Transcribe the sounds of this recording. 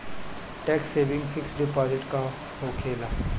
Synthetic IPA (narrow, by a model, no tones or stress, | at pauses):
ʈɛːksːeːʋɪ̃ŋɡfɪksɖɪpaːzɪʈka | ɦoːkʰeːlaː